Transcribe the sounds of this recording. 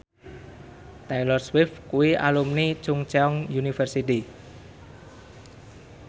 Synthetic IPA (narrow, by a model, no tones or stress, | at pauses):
t̪ɛlɔrswɪfkuwia̰lumnit͡ʃʊŋt͡ʃɛɔŋjunifərsit̪i